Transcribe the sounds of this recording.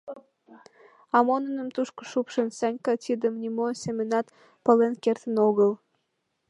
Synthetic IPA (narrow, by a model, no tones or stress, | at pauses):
ɑmonənəmt̪uʃko̥ʃupʃənsɑnʲkɑt̪id̪əmnʲimosemʲenɑt̪ | pə̆lenkert̪ənoɣəl